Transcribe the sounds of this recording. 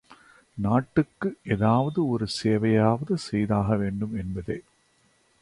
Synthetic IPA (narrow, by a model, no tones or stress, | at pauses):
naːʈːɯkːɯʔeːðaːʋɐðɯɔɾɯseːʋɐjaːʋɐðɯsɛjðaːɣɐʋeːɳɖɯmɛnbɐðeː